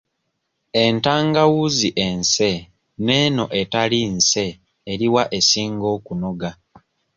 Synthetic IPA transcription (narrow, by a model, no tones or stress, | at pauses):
e̞ntaːŋɡawuziʔe̞nse̞ | ne̞ːno̞ʔe̞talinse̞ː | ɾiwaʔe̞siːŋɡo̞ːkuno̞ɡa